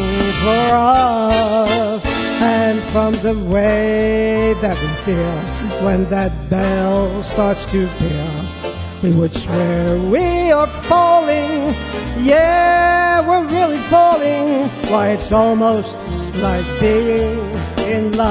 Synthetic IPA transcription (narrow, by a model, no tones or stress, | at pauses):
ŋzwə˞ʌ | v̥ | ɨ̃nfɹʌ̃mðəweɪðɨt̚wifilˠ | wə̃nðɨt̚b̥ɛlˠstɑɹtstʰʉpʰɛ | wiwɪt͡ʃwə˞wiə˞fɔlˠɪ̃ŋ | jæ | wɪɹɹɪlˠifɔlˠɪ̃ŋwaɪɨtsɔlˠmoʊst | laɪk̚b̥iɪ̃ŋɪ̃nla